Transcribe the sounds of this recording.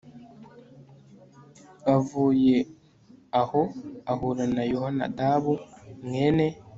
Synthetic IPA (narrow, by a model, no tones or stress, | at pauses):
avuːje | ahoahuɾanajohana̰daβuŋene